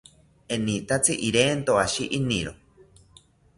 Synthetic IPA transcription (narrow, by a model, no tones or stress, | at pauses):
enit̪at͡siʔiɾeːnt̪oaʃiʔiniɾo